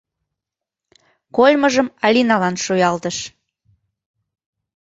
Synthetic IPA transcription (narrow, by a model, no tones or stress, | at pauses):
kolʲməʒəmɑlʲinɑlɑnʃujɑlt̪əʃ